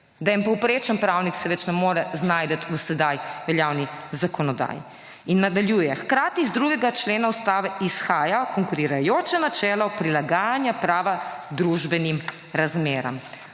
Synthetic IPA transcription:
d̪ajɛmpɔwpɾeːt͡ʃanpɾawniksɛʋɛt͡ʃnɛmoːɾɛznaːjd̪ət̪ʰusɛd̪ajʋɛljaːwnizakɔnɔd̪a̰ːjḭ | inːad̪aljuːjɛxkɾaːt̪izd̪ɾuːɡɛɡat͡ʃleːnaust̪aːʋɛisxaːjakɔŋkuɾiɾajoːt͡ʃɛnat͡ʃɛːlɔpɾilaɡaːjanjapɾaːʋad̪ɾuʒbɛnim | ɾazmeːɾa̰m

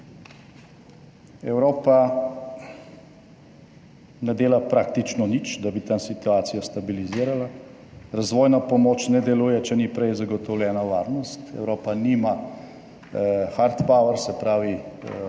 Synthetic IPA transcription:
ɛwɾoːpa | nɛd̪eːlapɾaːk̚t̪it͡ʃnɔnit͡ʃd̪abit̪ansit̪uaːt̪sijast̪abiliziːɾala | ɾazʋɔːjnapɔmoːt͡ʃnɛd̪ɛluːjɛt͡ʃɛnipɾɛjzaɡɔt̪ɔwljɛːnaʋaːɾnɔst̪ɛ̰wɾoːpanima | xaɾt̪pawəɾsɛpɾaːʋi

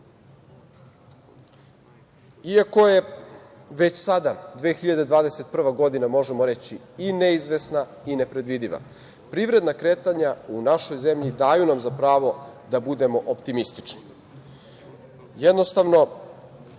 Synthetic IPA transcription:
iako̞je̞ | ʋe̞t͡ɕsad̪ad̪ʋeːxiʎad̪e̞d̪ʋaːd̪ese̞t̪̚pr̩ʋaɡo̞d̪inamo̞ʒemoɾe̞t͡ɕi | ineizʋe̞sna | ine̞pɾe̞d̪ʋid̪iʋa̰ | pɾiːʋɾe̞d̪nakɾe̞ːt̪aɲaunaʃo̞jze̞mʎid̪aːjunamzapɾaːʋo̞d̪abud̪e̞mo̞ʔopt̪imist̪i̥t͡ʂni̥ | jed̪no̞st̪aʋno̞

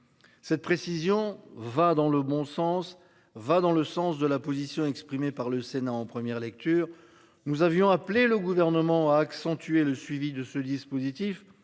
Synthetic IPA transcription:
sɛt̪̚pχesizjɔ̃vad̪ɑ̃ləbɔ̃sɑ̃s | vad̪ɑ̃ləsɑ̃sd̪əlapozisjɔ̃ɛkspχimepaʁləsenaɑ̃pχəmjɛʁlɛk̚t̪yːʁ | nuzavjɔ̃apleləɡuvɛʁnəmɑ̃aːksɑ̃t̪ɥeləsɥivid̪əsəd̪ispozit̪if

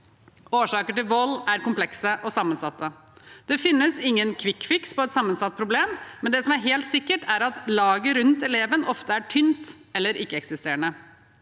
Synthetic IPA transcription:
oːʂɑːkəʈɪlʋɔlːæɾkʊmplɛksəʔɔsɑmːənsɑt̪ːə | d̪̥ɛfɪnːəsɪŋːənkʰʋɪkfɪkspɔɛt̪sɑmːənsɑt̪̚ːpʰɾʊbleːmːɛnd̪ɛsɔmæɾɦeːlt̪sɪkːəʈʰæɾɑt̪lɑːɡəɾʉnt̪ɛleːʋənʔɔft̪əæʈʰʏnt̪ɛlːəɾʔɪkːəɛksɪst̪eːɾəɳə

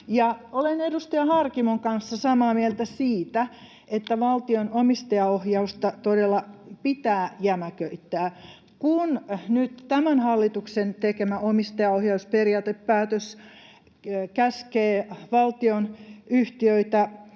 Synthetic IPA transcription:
jɑolenedust̪ɑjɑhɑrkimoŋkɑnsːɑsɑmɑːmielt̪æsiːt̪æ | et̪ːæʋɑlt̪ionomist̪ɑjɑohjɑust̪ɑt̪odelːɑpit̪æːjæmækøit̪ːæː | kunnyt̪t̪æmænhɑlːit̪uksent̪ekemæomist̪ɑjɑohjɑusperiɑːt̪eppæːt̪øs | kæskeːʋɑlt̪ionyht̪iøit̪æ

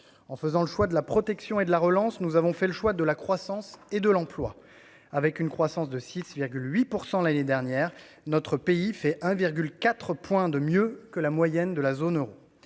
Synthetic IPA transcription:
ɑ̃fəzɑ̃ləʃwad̪əlapχɔt̪ɛksjɔ̃ed̪əlaʁəlɑ̃snuzavɔ̃fɛləʃwad̪əlakχwasɑ̃sed̪əlɑ̃plwa | avɛkynkχwasɑ̃sd̪əsisviʁɡʲylɥipuʁsɑ̃laned̪ɛʁnjɛʁ | nɔt̪χəpeifɛʔɛ̃viʁɡʲylkat̪χəpwɛ̃d̪əmjøkəlamwajɛnd̪əlazonøʁo

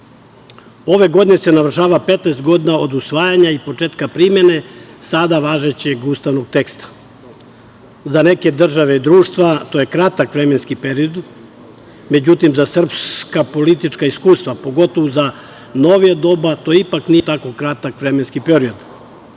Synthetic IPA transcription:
o̞ʋe̞ɡo̞d̪ine̞se̞naʋr̩ʃaːʋapet̪naest̪ɡo̞d̪inao̞d̪usʋaːjaɲaipo̞t͡ʃet̪kapɾime̞ne̞sad̪aʋaːʒet͡ɕeɡuːst̪aʋno̞ɡ̚t̪e̞kst̪ḁ | zane̞ke̞d̪r̩ʒaʋe̞id̪ɾuːʃt̪ʋat̪ojekɾat̪akʋɾeme̞nskipeɾio̞d̪ | me̞d͡ʑut̪imzasr̩pskapo̞lit̪it͡ʃkaiskuːst̪ʋapo̞ɡo̞t̪oʋoza | no̞ʋijad̪o̞bat̪o̞ipaknijet̪ako̞kɾat̪akʋɾeme̞nskipeɾio̞d̪

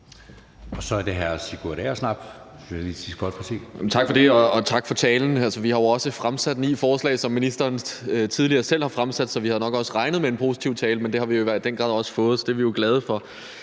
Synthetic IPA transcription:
ɒ̽sɒ̽æɐde̝ɦæɐsiɡ̥uɾɛ̰ːɐsnɑ̈b̥ | ʋeʋisḭːsɡ̥ɒ̽d̥pʰʁɐsḭːjmnt͡sʰɑ̈ɡ̥fɒ̽d̥e̝ɒɒt͡sʰɑ̈ɡ̥fɒ̽t͡sʰɛːln̩ælsəʋihɑ̈jo̝ɒ̽səfʁamsæd̥nḭːfɒːslɛ̰ːsɒ̽mːinisd̥ɐːnt͡sʰið̞ˠliɐːsel̰hɑ̈fʁamsæd̥sɒ̽ʋihæðˠnɒ̽ɡ̥ɒ̽səʁɑ̈ɪnəð̞̩ˠmee̝npʰo̝si̥t͡sʰiʊ̰t͡sʰɛːləmend̥e̝hɑ̈ʋijo̝iʋæɐ̥d̥enɡ̥ʁɑ̰̈ðˠɒ̽sə̥fɔ̽ːð̩ˠsɒ̽d̥e̝æɐʋijo̝ɡ̥lɛð̞ˠəfɒ̽

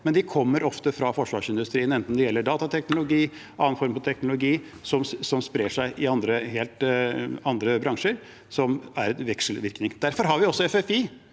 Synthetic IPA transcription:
mɛnd̪ɪkʰɔmːəɾɔft̪əfɾɑfɔʂʋɑːʂɪnd̪ʉst̪ɾiːənɛnt̪nd̪ɛjɛlːəɖɑːt̪ɑt̪ʰɛknʊlʊɡiːʔɑːnfɔɾmfɔt̪ʰɛknʊlʊɡiː | sɔmsɔmspɾeːʂæɪʔɪɑnd̪ɾəɦeːlt̪ɑnd̪ɾəbɾɑŋʂəɾ | sɔmæɾɛʋɛkʂəl̩ʋɪɾknɪŋd̪̥æɾfɔɾɦɑɾʋɪɔsːɔɛfɛfi

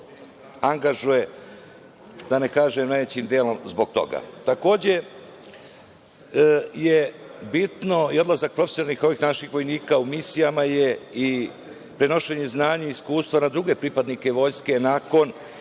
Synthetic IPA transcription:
aŋɡaʒuje̞ | d̪̥ane̞kaːʒemnajʋet͡ɕiːmd̪eːlo̞mzbo̞ɡ̚t̪o̞̰ɡa̰t̪ako̞ːd͡ʑe̞ | jebit̪no̞io̞d̪lˠazak̚pɾo̞fesjonalnixo̞ʋiːxnaʃixʋo̞jniːkaumisijamaje̞i | pɾeno̞ʃe̞ɲeznaːɲaiskuːst̪ʋanad̪ɾuɡe̞pɾipad̪nike̞ʋo̞jske̞naːko̞n

